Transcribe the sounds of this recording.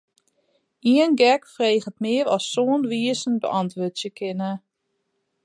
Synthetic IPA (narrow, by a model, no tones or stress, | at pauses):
iənɡɛkfreːɣətmɪːəɾɔ̰sːoːənʋiːəsənbə̰ʔɑntʋøːtsjəkʰɪnə